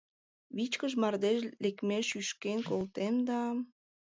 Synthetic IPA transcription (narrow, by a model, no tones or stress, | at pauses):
βit͡ɕkəʒmɑrd̪eʃlekmeʃyʃkenkolt̪emd̪ɑ